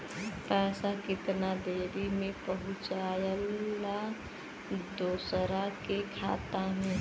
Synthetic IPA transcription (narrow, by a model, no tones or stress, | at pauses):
pɛːsakɪt̪nad̪eːɾimẽpəɦʊ̃t͡ʃaːjəlːa | d̪oːsɾakekʰa̰ːt̪aɦɛ̃ː